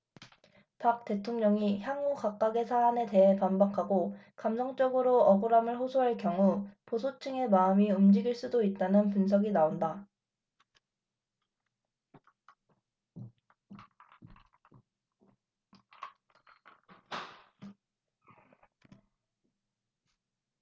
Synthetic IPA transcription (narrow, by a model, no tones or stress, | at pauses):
pak̚t͈e̞tʰoŋɲʌŋiçjaŋukak͈aɡe̞sʰaːne̞te̞ɦe̞pambakʰaɡokamsʰʌŋt͡ɕ͈ʌɡɯɾoʌɡoɾamɯɭɸosʰoɦaɭkjʌŋuposʰot͡ɕʰɯŋe̞maɯmiumd͡ʑiɡiɭs͈udoit̚t͈anɯnpunsʰʌɡinaonda